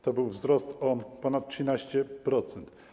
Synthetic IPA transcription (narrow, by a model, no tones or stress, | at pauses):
t̪ɔbɘwvzɾɔst̪ɔpɔnat̪̚tʂɘnaɕt͡ɕɛpɾɔt̪sɛnt̪